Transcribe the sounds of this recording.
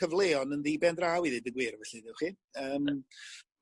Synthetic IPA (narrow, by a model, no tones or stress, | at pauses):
əvlˠeːɔnənðiːbɛndrawiðɨdəɡwɨɾvɛɬɨðɪwχiːn | əːm